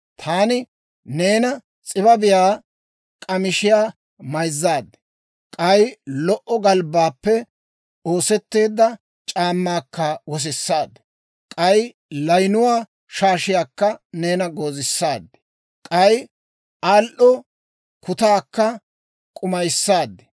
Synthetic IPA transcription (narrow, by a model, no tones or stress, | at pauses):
t̪ʰaːnɪ | neːnɐ | t͡sʼɪbɐbɪjaː | kʼɐmɪʃɪjaː | mɐjzːaːd̪ | kʼɐjlɔʔɔɡɐlbaːpːɛ | o̞ːsɛt̪ːe̞ːd̪ːɐ | t͡ʃʼaːmːaːkːɐwɔs̬ɪsːaːd̪ | kʼɐj | lɐjnʊwaː | ʃaːʃɪjaːkːɐne̞ːnɐɡo̞ːzɪsːaːd̪ːɛ | kʼɐj | aːlʔɔ | kʰʊt̪aːkːɐ | kʼʊmɐjsːaːd̪ːɛ̥